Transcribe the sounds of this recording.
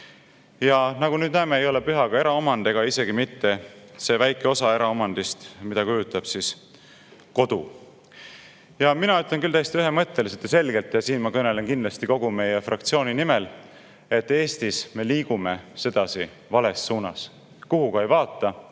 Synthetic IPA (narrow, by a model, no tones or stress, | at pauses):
jɑnɑɡunyːd̪̚næːme̞ejo̞le̞pyɦɑɡ̥ɑe̞ɾɑo̞mɑnd̪̥e̞ɡ̥ɑise̞ɡ̥imit̪ːe̞se̞væjkːˑeo̞sɑe̞ɾɑo̞mɑnd̪̥ist̪mid̪̥ɑkujut̪ːˑɑb̥sis | ko̞d̪̥u | jɑminɑyt̪le̞nkylt̪æjst̪iyɦe̞mɤt̪ːˑe̞liset̪ːjɑse̞lɡ̥e̞lt̪ːˑjɑsiːnmɑkɤne̞le̞nkind̪lɑst̪iko̞ɡ̥ume̞jefrʔɑkt̪sio̞ːninimel | e̞t̪ːe̞ːst̪isme̞liːɡ̥ume̞se̞d̪̥ɑsi | vɑle̞sːuːnɑ̰s | kuɦuɡɑe̞jvɑːt̪ːˑɑ